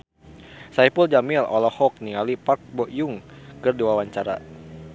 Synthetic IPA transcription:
saipuld͡ʒamilɔlɔhɔk̚niŋalipak̚bɔʔjuŋkɨrdiwawaɲt͡ʃaɾa̰

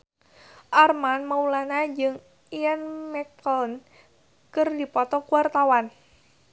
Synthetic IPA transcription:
ʔarmanmaulanad͡ʒɨŋ | ianmɛkɔln | kərdipɔt̪ɔkuwart̪awan

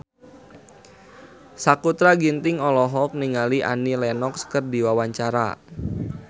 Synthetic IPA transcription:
sakut̪ɾaɡint̪ɪŋɔlɔɦɔk̚niŋaliʔa̰nilɛnɔkskərdiwawaɲt͡ʃaɾa̰

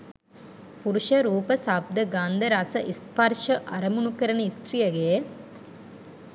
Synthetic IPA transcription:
puɾuʃɐɾuːpɐsab̚d̪ɐɡaːnd̪ɐɾasɐʔispɐɾʃɐʔɐɾɐmunukɐɾɐnɐisʈ̪ɾijɐɡe

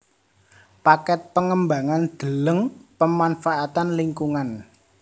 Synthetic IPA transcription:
pakɛt̪̚pəŋəmbaŋand̪̥ə̤ləŋpəmanfaʔat̪anliŋkuŋan

